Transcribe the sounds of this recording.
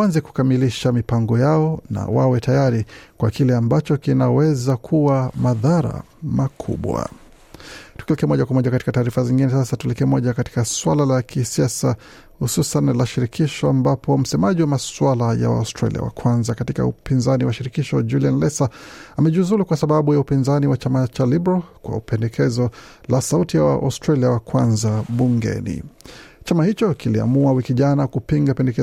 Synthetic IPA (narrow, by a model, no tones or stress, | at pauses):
anzɛku̥kamiliʃamipaŋɡɔjaɔna̰wawɛtajaɾikwakilɛambat͡ʃɔkinawɛzakʰuwamaðaɾa̰ | makʰṵɓwa̰ | tu̥kilikɛmɔʄakwamɔʄakati̥kataːɾifaziŋɡinɛsasatulikɛmɔʄakati̥kaswalalakʰisiasa | hususanlaʃiɾikʰiʃɔambapʰɔm̩sɛmaʄiwamaswalaja̰wa̰ostɾa̰lḭa̰wa̰kwanzakatika̰upinzaniwaʃiɾikiʃɔd͡ʒulianlɛsaamɛʄuzuɾukwasaɓaɓujaupinzaniwat͡ʃamat͡ʃalibɾalkwa̰upɛndɛkʰɛzɔlasautijawa̰ʔa̰stɾaliawakwanzaɓuŋɡɛ̰nḭt͡ʃamahit͡ʃɔkilia̰muawikiʄanakupiŋɡapɛndɛkɛ